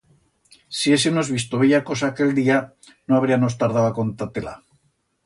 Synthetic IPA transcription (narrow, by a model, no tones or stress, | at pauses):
siesenozβist̪oβeʝako̞saːke̞ld̪ia | noaβ̞ɾiamo̞s̬t̪aɾð̞awako̞nt̪at̪ela̰